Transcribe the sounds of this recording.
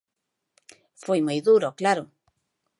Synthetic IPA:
fejmujðuɾoklaɾo

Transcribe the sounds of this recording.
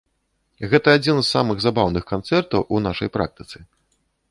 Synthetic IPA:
ɣɛt̪ɐːd͡zʲinzːamɨɣzabawnɨxkant̪sɛrt̪ɐwʔunaʂɐ̰jpɾa̰k̚t̪ɨ̥t̪sɨ

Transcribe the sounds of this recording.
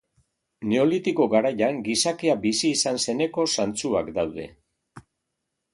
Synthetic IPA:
ne̞o̞lit̪iko̞ɣaɾajaŋɡisakeabisiːsanse̞ne̞ko̞sant͡suakd̪awðe̞̰

